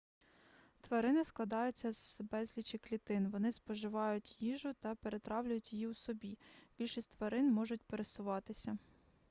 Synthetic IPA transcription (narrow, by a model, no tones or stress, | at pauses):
t̪ʋɐɾɪnɪsklˠɐd̪ɑjʊt͡sʲːɐz̥bɛzʲlʲit͡ʃʲɪklʲit̪ɪnʋɔnɪspɔʒɪʋɑjʊtʲjiʒʊt̪ɐpeɾe̞t̪ɾɑwlʲʊjʊtʲjijiwsɔbʲib̥ʲilʲʃisʲtʲt̪ʋɐɾɪnmɔʒʊt̚ʲpeɾesʊʋɑt̪ɪsʲɐ